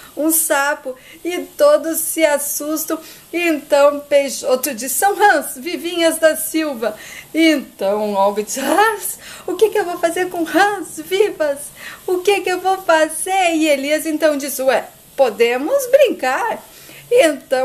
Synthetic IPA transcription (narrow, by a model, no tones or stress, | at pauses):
ũsapʊɪt̪od̪ʊsːɪasust̪ɐ̃w̃ | ɪẽnt̪ɐ̃w̃pejʒot̪ʊd͡ʒisɐ̃w̃ɦɐ̃svivĩɲɐzd̪ɐsiwvɐẽnt̪ɐ̃w̃ɔwvit͡ʃhɐ̃sʊkekɪewvowfazeɾkõhɐ̃svivɐsʊkekɪewvowfazeɾɪeliɐzẽnt̪ɐ̃w̃d͡ʒisɪuɛ | pod̪ẽmʊzbɾĩŋkaɾ | ẽnt̪ɐ̃w̃